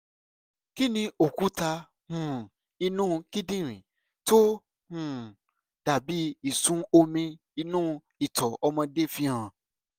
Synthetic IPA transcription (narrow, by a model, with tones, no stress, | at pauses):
ki˦nĩ˧o˨ku˦ta˧ | hũ˨ | i˧nũ˦˧ki˦dĩ˦˨ɾ̃ĩ˨ | to˦ | hũ˨ | d̥a˨bi˨˦i˨sũ˨˦o˧mĩ˧ | i˧nũ˦˧ | i˦˨tʰɔ˨ʔɔ˧mɔ̃˧de˦fi˧˦ã˨